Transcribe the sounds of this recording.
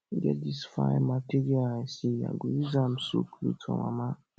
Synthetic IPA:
ɡɛ̰disfa̰jmatiɾiaɛsia̰ɡoizam̩so̰klṵtʰɔ̰ma̰ma

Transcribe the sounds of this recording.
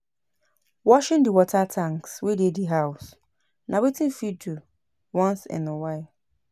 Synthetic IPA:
wɔʃɪ̃ndiwɔtʰatʰãŋkswedediɦaʊs | nʔãwetʰĩnfidu | wɔ̃nsɪ̰̃nəwaɪl

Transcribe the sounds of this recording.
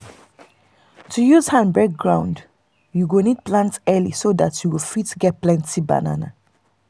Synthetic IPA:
tʰujuz̥hãnbɛɡ̚ɡɹãʊ̃nd | juɡonid̚plãntsɛlḭsoðatʰjuwilfitɡɛt̚plɛ̃ntʰiba̰na̰na̰

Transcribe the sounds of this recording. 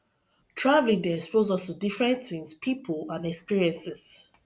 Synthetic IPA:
tʰɹavlĩŋdɛɛkspozɔstudifɹɛ̃nθĩŋspʰipʰəlãnɛkspiɹiɛ̃nsɛs

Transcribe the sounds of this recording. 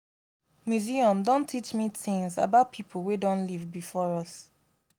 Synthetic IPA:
mjuziɔ̃mdõntʰit͡ʃmiθɪ̃ŋza̰baʊt̚pʰipʰl̩ˠwedɔ̃nlivbifɔɹɔs

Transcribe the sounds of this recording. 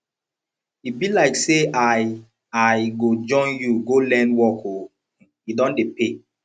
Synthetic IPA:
ibilaɪkseʔaɪ | ajɡod͡ʒɔ̃njuɡolɛ̃nwɔko | jidɔ̃ndepe

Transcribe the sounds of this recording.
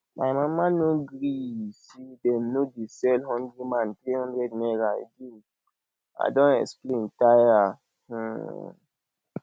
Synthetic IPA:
ma̰jmãmãnoɡɾisidɛnodisɛlhɔ̃ndɾimãnt̪ɾihɔ̃ndɾɛdnɛɾajɡi | a̰dɔ̃nɛ̰ksplẽntaja | h̩

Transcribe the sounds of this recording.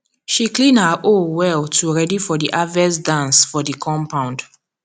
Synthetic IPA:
ʃiklĩnhaʔowɛltʰuɹɛdifɔdiʔavɛsdãnsfɔdikʰɔ̃mpãw̃nd

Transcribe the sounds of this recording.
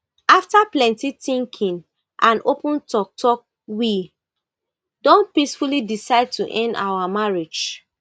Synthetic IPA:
aftaplɛ̃ntitĩŋkʰĩn | ʔãnopũntʰɔk̚tʰɔk̚ | wi | dõnt̚pisfulidisaɪd̚tuʔɛ̃nda̰wamaɹed͡ʒ

